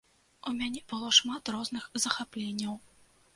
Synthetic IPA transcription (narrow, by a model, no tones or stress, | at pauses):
umʲanʲɛbɨlˠɔʂmat̪rɔznɨxzɐxaplʲenʲːɐw